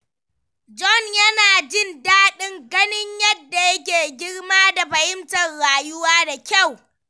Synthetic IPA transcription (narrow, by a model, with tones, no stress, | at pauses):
d͡ʒɔ˦˨njɐ˦naː˨d͡ʒɪ˦˨ndaː˦ɗɪ˦ŋɡɐ˦nɪ˦ɲjɐ˦dːa˨jɐ˦k̬ʲeː˨ɡʲɪ˦ɽmaː˦da˨ɸɐ˨ʔɪ˦mtɐ˨rɽaː˨jʊ˦waː˦da˨kʲa˦˨w